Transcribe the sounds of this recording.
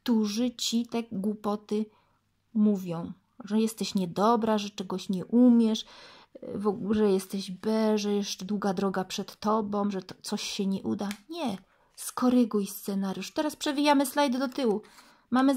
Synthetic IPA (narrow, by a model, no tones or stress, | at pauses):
kt̪uʐɘt͡ɕit̪ɛɡwupɔt̪ɘ | muvʲjɔ̃w̃ | ʐɛjɛst̪ɛɕɲɛd̪ɔbɾaʐɛt͡ʂɛɡɔɕɲɛʔumʲjɛʂ | vɔʐɛjɛst̪ɛʑbɛʐɛjɛsd̪wuɡad̪ɾɔɡapʂɛt̪ːɔbɔ̃w̃ʐɛt̪t̪sɔɕɕɛɲɛʔud̪aɲɛ | skɔɾɘɡujst̪sɛnaɾjuʂt̪ɛɾaspʂɛbʲijamɘslajd̪d̪ɔt̪ɘwu | mamɘ